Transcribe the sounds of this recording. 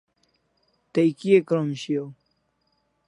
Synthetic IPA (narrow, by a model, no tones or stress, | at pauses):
t̪ɐjkiekɾomɕio